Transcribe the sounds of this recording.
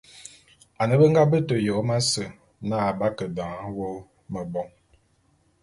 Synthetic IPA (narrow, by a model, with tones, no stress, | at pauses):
a˨nə˦bə˦ŋɡa˦bə˦tə˨jɔ˨˦ma˦sə˨ | na˦˨ba˦kə˨dãː˨˦wo˦ | mə˨bɔ˦ŋ